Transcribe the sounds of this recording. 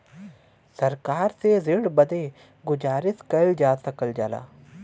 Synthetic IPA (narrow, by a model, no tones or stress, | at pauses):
sɐɾkaːɾsezɪɖbəd̪e | ɡʊd͡ʒaːɾɪskəld͡ʒaːsəkəld͡ʒaːla̰ː